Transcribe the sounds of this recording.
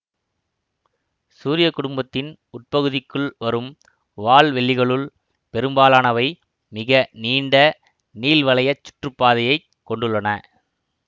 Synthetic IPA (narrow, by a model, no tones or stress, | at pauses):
suːɾɪjɐkːʊɽʊmbɐt̪ːɪn | ʊʈ̚pɐɣɯðɪkːɯɭʋɐɾɯm | ʋaːɭʋɛɭːɪɣɐɭɯl | pɛɾɯmbaːlaːnɐʋɐɪ | mɪɣɐniːɳɖɐ | niːlʋɐɭɐjɐt͡ʃːʊ̥ʈrɯpːaːðɐjɐɪ | kːɔɳɖɯɭːɐnɐ